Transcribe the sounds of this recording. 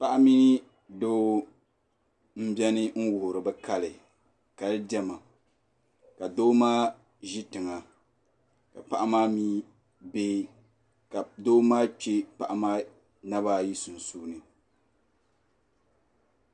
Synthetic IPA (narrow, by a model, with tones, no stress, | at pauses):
pa˦ʔa˦mi˦ni˦ | doː˦ | m̩˦bʲɛ˦nɪ˦ŋ̩˦wʊ˨hʊ˨ɾɨ˨bɛ˦ka˦lɪ˨ | ka˨lɨ˦dɛ˦ma˨ | ka˨doː˦maː˦ | ʒi˦tɨ˨ŋa˨ | ka˨pa˨ʔa˦maː˦miː˦ | beː˦ | ka˨do˦maː˦t͡ʃe˦pa˨ʔa˨maː˦ | na˦ba˦ji˦su˨n̩˨suː˦nɨ˨